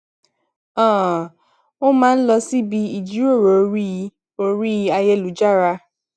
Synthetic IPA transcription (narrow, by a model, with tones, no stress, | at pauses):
ɔ̃˦˨ | o˦mãː˦n̩˦lɔ˧si˦bi˧i˨d͡ʒi˨˦ɾo˦˨ɾo˨˦ɾi˦˧ | o˦ɾi˦a˧jɛ˧lu˨˦d͡ʒa˦˨ɾa˧